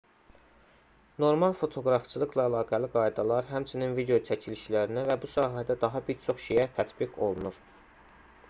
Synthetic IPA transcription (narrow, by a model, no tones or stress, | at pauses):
no̞ɾmɑlˠfo̞t̪ʰo̞ɡɾɑft͡ʃʰɯlˠɯɡlˠɑælˠɑːɡæliɡɑjd̪ɑlˠɑɾɦæmt͡ʃʰininvid̪e̞jo̞t͡ʃʰæcʰiliʃlæɾinævæbusɑːɦæd̪æd̪ɑɦɑbiɾt͡ʃʰo̞χʃejæt̪ʰæt̪biɡʰo̞̰lˠnuɾ